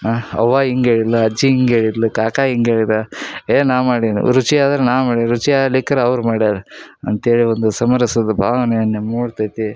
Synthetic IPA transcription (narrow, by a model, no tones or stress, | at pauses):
aɐ̰ʋːaːiŋɡeːɭid̪lɐːd͡ʒiiŋɡeːɭid̪lukaːkaːiŋɡeːɭid̪aeːnaːmaːɽid̪nḭɾut͡ʃiaːd̪ɐɾenaːmaːɽiɾut͡ʃiaːliːkːɐɾeɐʋɾumaːɽiaːɾɐ̰nt̪eːɭiond̪usɐmɐɾɐsɐd̪ɐbʱaːʋɐnɛjɐnːemuːɽt̪ajt̪i